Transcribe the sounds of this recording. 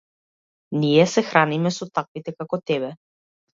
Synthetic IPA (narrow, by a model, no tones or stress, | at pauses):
nijɛsɛxɾanimɛsɔt̪akvit̪ɛkakɔt̪ɛbɛ